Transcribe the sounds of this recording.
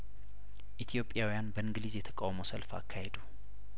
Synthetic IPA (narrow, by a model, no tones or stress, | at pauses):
ʔit̪ʰijo̞pʼːjawijanbəɨŋɡlizjɛt̪ʰə̥kʼawmowsəlfa̰kʰːahed̪u